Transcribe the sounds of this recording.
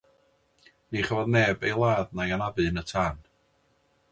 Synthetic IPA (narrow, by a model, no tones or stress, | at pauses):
niχəvɔðnɛːbejlˠaːðnaɡanavɨnətʰaːn